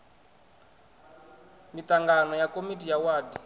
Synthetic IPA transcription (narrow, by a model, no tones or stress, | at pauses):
mit̪aŋɡanɔjakomitijawaːdi